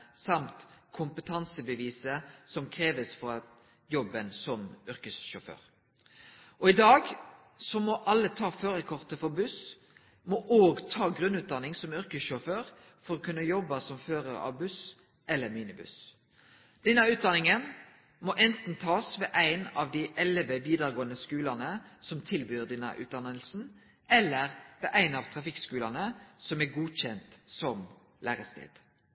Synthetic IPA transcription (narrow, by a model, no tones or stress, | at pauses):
sɑmt̪kʰʊmpət̪ʰɑnsəbəʋiːsəsɔmkʰʁeːʋəsfɔɾɑ | jɔbːənsɔmʏɾkəsʃʊfø̰ːɾ | ʔɔɪd̪ɑːɡ | sɔmɔʔɑlːət̪ʰɑːføːɾəkʰɔʁt̪əfɔbʉs | mɔʔoːɡt̪ʰɑːɡɾʉnʉːt̪̚d̪ɑnɪŋsɔmʏɾkəsʃɔføːʁ | fɔɾɔkʰʉnːəjɔbːəsɔmføːɾəɾɑ̰ʋbʉs | ʔɛlːəmiːnɪbʉ̰s | d̪̥ɛnːəʉːt̪̚d̪ɑnɪŋən | mɔʔɛnt̪n̩t̪ʰɑːsʋeːʔæɪnɑʋd̪iʔɛlʋəʋiːd̪əʁɡoːənəskʉːlɑnəsɔmt̪ʰɪlbyːʁd̪ɛnːə̰ʔʉ̰ːt̪̚d̪ɑnəlsn̩ | ɛlːəʁʋeːʔæɪnɑʋt̪ʰɾɑfɪkskʉːlɑnəsɔmæɡuːɕɛnt̪sɔm | læːʁəst̪ḛːd̪̥